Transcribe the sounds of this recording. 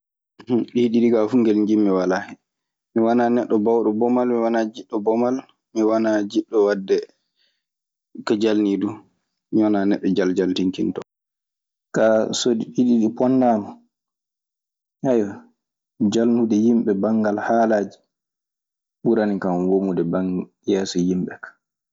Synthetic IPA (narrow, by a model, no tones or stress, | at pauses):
ɗiɗiɗiɡafuŋɡɛlɲd͡ʒimːɛwalaːhɛ | miwananɛɗːɔbawɗɔbɔmalmiwanad͡ʒiɗːɔbɔmal | miwanad͡ʒiɗːɔwadːɛ | kad͡ʒalnidu | miwananɛɗːɔd͡ʒald͡ʒaltiŋkintɔ | kasodiɓiɗiɗipɔnːama | hajɔ | d͡ʒalnudɛjimɓɛbaŋɡalhaːlaːd͡ʒi | ɓuɾanikamwomudɛbaŋ | jɛːsɔjimɓɛkḁ